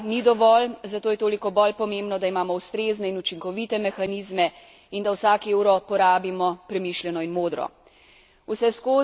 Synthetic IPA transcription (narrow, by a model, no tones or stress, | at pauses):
nid̪ɔʋɔlzat̪oːjɛt̪oːlikɔbɔlpɔmẽmbnɔd̪aimaːmɔust̪ɾeːznɛinut͡ʃiŋkɔʋit̪ɛmɛxaniːzmɛ | ind̪awsaːkeːwɾɔpɔɾaːbimɔpɾɛmiːʃlʲjɛnɔinmoːd̪ɾɔ̰ | usɛskoː